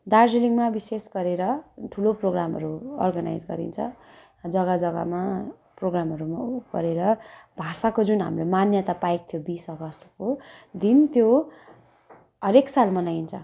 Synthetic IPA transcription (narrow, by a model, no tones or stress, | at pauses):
d̪arseliŋmabisesɡʌɾeɾʌʈʰuloproɡramɦʌ̰ɾuʌ̰rɡana̰jd͡zɡʌ̰ɾḭnt͡sʰʌ | d͡zʌɡad͡zʌɡa̰ma | proɡramɦʌɾumaɡ̥ʌ̰ɾeɾʌbʱasakod͡zunɦa̰mromanjʌt̪apajk̚t̪ʰjobisʌɡʌst̪ʰʌkod̪int̪jo | ɦʌɾeksalmʌnajnt͡sʰʌ